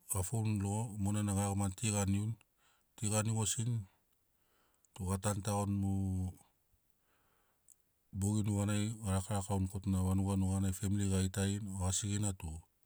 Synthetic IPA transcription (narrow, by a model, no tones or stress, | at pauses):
afownloomunanaŋaɡamantiɡaniun | tiɡaniɡosin | tuatantaonmu | boɡinuɣanajɡaɾakaɾakawnkotnaβanuɡanuɡanajfemiliɡajtajnoasiɡenatu